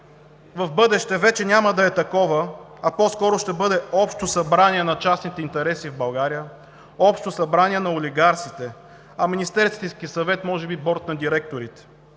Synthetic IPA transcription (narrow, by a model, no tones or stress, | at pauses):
vɐfbɤd̪ɛʃt̪ɛvɛt͡ʃɛnʲaməd̪ɐɛt̪ɐkɔvəɐpɔskɔɾoʃt̪ɛbɤd̪ɛɔpʃt̪osɐbɾaniɛnɐt͡ʃasnit̪ɛint̪ɛɾɛsivbɐlˠɡaɾijə | ɔpʃt̪osɐbɾaniɛnɐolʲiɡaɾt̪sit̪ɛ | ɐminʲist̪ɛɾst̪ɛskʲiəsɐvɛt̪mɔʒɛbibɔɾt̪nɐd̪iɾɛk̚t̪oɾit̪ɛ̥